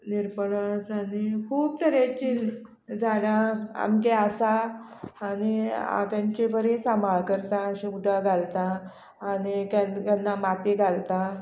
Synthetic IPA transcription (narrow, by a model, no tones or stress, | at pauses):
niɾpəɳasanikʰuːb̚t̪ʰəɾet͡ɕin | d͡zaɽaa̰mkeasaː | ñia̰t̪ãɲt͡ɕebəɾesamaɭkəɾt̪ãɕĩud̪aɡʱalt̪ãː | ɽikjankanːamat̪iɡʱalt̪ã